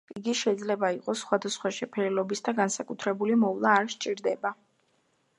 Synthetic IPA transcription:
iɡiʃɛid̪zlɛbaiqʼɔsːχwad̪asχwaʃɛpʰɛɾɛlɔbisd̪aɡansakʼut̪ʰɾɛbulimɔvlˠaːɾʃt͡ʃʼiɾd̪ɛba

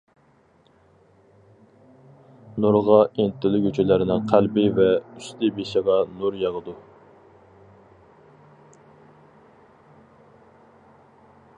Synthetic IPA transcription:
nuɾʁɑʔent̪ɪlɪɡʲyt͡ʃʰɪlɪɾɪnɪŋqʰælbɪvɛyst̪ɪbeʃɪʁɑnuɾjɑʁəd̪u

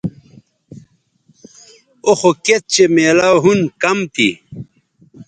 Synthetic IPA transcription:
oxoket̪̚t͡ɕemeːlawɦunkɐmt̪ḭ

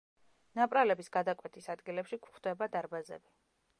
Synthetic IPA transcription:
napʼɾalɛbisɡ̥ad̪akʼwɛt̪ʰisad̪ɡilɛpʃikʰʷχd̪̥ɛbad̪aɾbazɛ̰bi

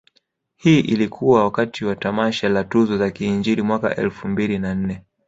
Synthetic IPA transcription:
hiːʔilikʰuwawakatiwatamaʃalatuzɔzakiːɲd͡ʒiɾimwaka̰ʔɛ̰lfumbilinan̩nɛ

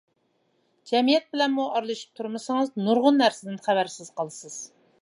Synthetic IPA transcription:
d͡ʒɛmijɛt̪̚bɪlɛnmuɑɾlˠɨʃi̥p̚t̪ʰuɾmɨsɨŋɨznuɾʁʊnːæɾsɪd̪ɪnχæbæɾsɪz̥qɑlˠɨsɨz̥

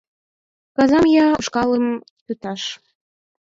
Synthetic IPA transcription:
kɑzɑmjɑuʃkɑləm | t̪yt̪ɑʃ

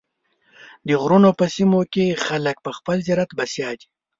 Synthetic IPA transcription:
d̪əɣɾunopəsimokexalək̚pəxpəlziɾat̪basjɑːd̪i̥

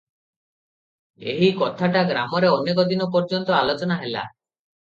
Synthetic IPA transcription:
ḛɦikɔt̪ʰaʈaɡɾamɔɾeɔnekɔd̪inɔpɔɾd͡ʒɔnt̪ɔalot͡ʃɔnaɦela̰

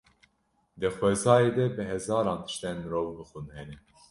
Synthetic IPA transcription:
d̪ɨxwɛzɑːjeːd̪ɛbɨɦɛzɑːɾɑːnt̪ʰɨ̥ʃt̪ɛnmɨɾoːvbɨxunhɛnɛ

